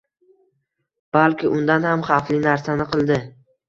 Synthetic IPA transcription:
b̥alkʲɪʔʊnd̪anhamχɑflɪnaɾsanɪqʰɨlˠd̪ɪ

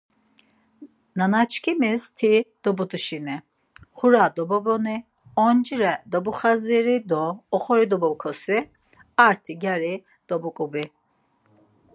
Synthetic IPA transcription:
nanat͡ʃʰkʰimist̪ʰid̪̥ɔbut̪uʃini | χuɾad̪ɔbɔbɔni | ɔnd͡ʒiɾɛd̪ɔbuχaziɾid̪ɔːχɔɾid̪ɔbɔwkʰɔsi | aɾt̪ʰiɡaɾi | d̪̥ɔbukʼubi

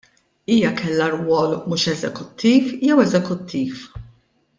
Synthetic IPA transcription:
iːjɐkʰɛlːɐɾwɔːlmuːʃɛzɛkʊt̪ʰːiːfjɛwɛzɛkʊt̪ʰːiːf

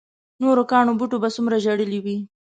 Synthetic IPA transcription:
noɾokɑɳobuʈobasumɾaʒaɽəliwi

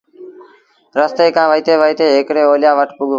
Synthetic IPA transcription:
ɾəst̪eːkãːʋəiːt̪eːʋəiːt̪eːɦekɽeːoːljaːʋəʈʰpʊɠ

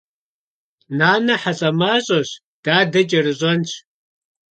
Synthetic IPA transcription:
naːnɐħaɬʼɐmaːɕʼɐɕ | d̥aːdɐt͡ʃʼɐrɨʑʷʼɐnt͡ɕʰ

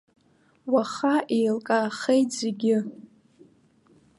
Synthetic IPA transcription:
waχaʔejlkʼaχejtz̥eɡʲɪ

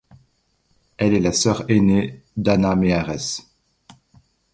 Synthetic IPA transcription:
ɛlɛlasœʁened̪anameaʁɛs

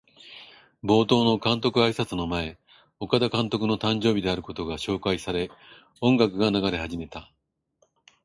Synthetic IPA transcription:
bo̞ːt̪o̞ːno̞kãnt̪o̞kɯ̟aisat͡sɨno̞mae̞ | o̞kad̪akãnt̪o̞k̬ɯ̟no̞t̪ãɲ̟d͡ʑo̞ːbʲid̪e̞aɾɯ̟ko̞t̪o̞ɡaɕo̞ːkaisaɾe̞ | õ̞ŋɡakɯ̟ɡanaɡaɾe̞haʑime̞t̪a

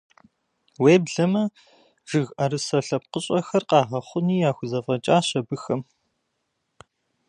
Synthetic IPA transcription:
weːbɮɐmɐ | ʒ̥ɨɣɐrɨsɐɬɐp̚qəɕʼɐxɐrqɑːʁɐχʷʊniːjaːxʷʊzɐfʼɐt͡ʃʼaːɕɐbɨxɐm

